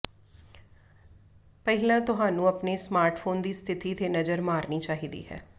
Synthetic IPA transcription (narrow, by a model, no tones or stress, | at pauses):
pɛɦɪlãːt̪ʊɦãːnũːəpneːsmaːɾʈpʰoːnd̪iːst̪ʰɪt̪iːt̪eːnəzəɾmaːɾniːt͡ʃaːɦiːd̪ḭːɦɛ̰ː